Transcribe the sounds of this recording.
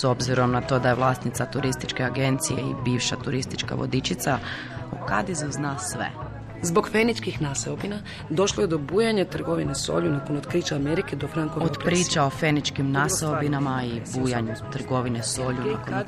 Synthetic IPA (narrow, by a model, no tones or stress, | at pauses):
so̞bziɾo̞mnat̪o̞d̪ajeʋlˠaːst̪nit̪sat̪uɾist̪it͡ʃkeaɡe̞nt̪sijeḭbiːʋʃat̪uɾist̪i̥t͡ʃka̰ʋo̞̰d̪it͡ʃit̪sa | okad̪izuznasʋḛ | zbo̞ɡfenit͡ʃkixnaseobina | d̪o̞ʃlojed̪o̞buːjaɲat̪r̩ɡo̞ʋineso̰ʎunakonot̪kɾiːt͡ʃaameɾiked̪ofɾaŋkood̪pɾiːt͡ʃao̞fe̞nit͡ʃkimnaseobinamaibuːjaɲut̪r̩ɡo̞ʋineso̞ːʎunakon